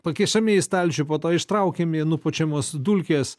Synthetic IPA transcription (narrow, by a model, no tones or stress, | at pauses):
pɐkʲɪʃɐmʲeːɪst̪ɐlʲt͡ʃʲʊpoːt̪oːɪʃt̪ɾɐʊkʲeminʊpoːt͡ʃʲɛmoːsd̪ulʲkʲeːs